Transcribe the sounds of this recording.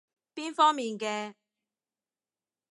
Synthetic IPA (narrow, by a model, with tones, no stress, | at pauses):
piː˥nfɔː˥ŋmiː˨nkɛː˧